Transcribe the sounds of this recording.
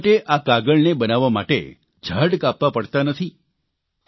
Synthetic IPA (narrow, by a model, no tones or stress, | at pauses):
ʈeʔakaɡəɭnebənaʋama̰ʈḛ | d͡ʒʱəɽkapʋapəɽt̪anət̪ʰi